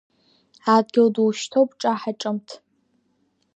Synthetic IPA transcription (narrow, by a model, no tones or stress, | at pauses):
adɡʲɪwdwʃtʰowpʼʈ͡ʂʼaħaʈ͡ʂʼɨmtʰ